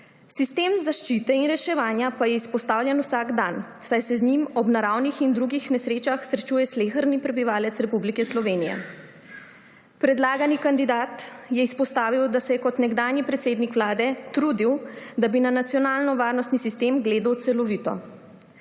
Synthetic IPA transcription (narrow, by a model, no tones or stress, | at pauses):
sist̪eːmzaʃt͡ʃit̪ɛinɾɛʃɛʋaːnjapajɛispɔst̪aːwljɛnusaːɡd̪an | sajsɛzɲimɔbnaɾawnixind̪ɾuɡixnɛsɾeːt͡ʃaxsɾɛt͡ʃuːjɛsleːxəɾnipɾɛbiʋaːlɛt̪sɾɛpublikɛslɔʋeːnijɛ̰ | pɾɛd̪laːɡanikand̪id̪aːt̪jɛispɔst̪aːʋiwd̪asɛjɛkɔt̪nɛɡd̪aːnjipɾɛt̪seːd̪nikʋlaːd̪ɛt̪ɾuːd̪iwd̪abinanat̪sjɔnaːlnɔʋaːɾnɔst̪nisist̪eːmɡleːd̪əwt̪sɛlɔʋit̪ɔ̰